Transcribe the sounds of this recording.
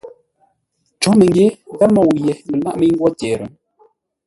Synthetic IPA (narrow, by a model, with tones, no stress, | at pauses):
t͡ʃɔ˨˦mə˨ŋ˦ɡe˦ɣa˦mɔ˦˨wje˨lə˨la̰˦ʔmə˦ŋ̩˦ɡwɔ˦tɛː˨ɾə̰˨˦